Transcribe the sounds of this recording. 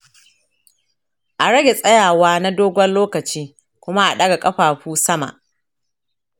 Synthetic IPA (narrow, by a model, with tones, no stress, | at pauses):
ʔa˨ɽɐ˦ɡʲe˨sʼɐ˦jaː˨waː˦na˦doː˦ɡʷɐ˦nloː˦kɐ˨t͡ʃiː˦ | kʷʊ˦ma˦ʔa˨ɗɐ˦ɡa˨kʼɐ˦ɸaː˨ɸuː˦sɐ˦ma̰˨ʔ